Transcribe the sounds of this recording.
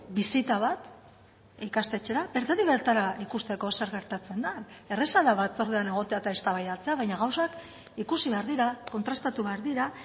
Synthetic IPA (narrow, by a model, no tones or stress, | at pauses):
bisit̪aβat̪ | ikast̪e̞t͡se̞ɾabe̞ɾt̪at̪iβeɾt̪aɾaikust̪e̞ko̞se̞ɾɣe̞ɾt̪at͡se̞nd̪ae̞re̞salaβat͡so̞ɾðeane̞ɣ̞o̞t̪e̞at̪aest̪aβajðalt͡se̞aβajɲaɣawsak | ikusiβe̞aɾðiɾako̞nt̪ɾast̪at̪uβeaɾðiɾa